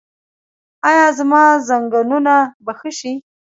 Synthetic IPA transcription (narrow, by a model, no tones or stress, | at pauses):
ɑjɑzmɑzaŋɡanunabaxəʃi